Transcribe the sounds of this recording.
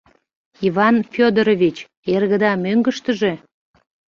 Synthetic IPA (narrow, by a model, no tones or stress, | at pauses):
iβɑnfʲod̪oɾovʲit͡ɕ | erɣəd̪ɑmøŋɡəʃt̪əʒe̽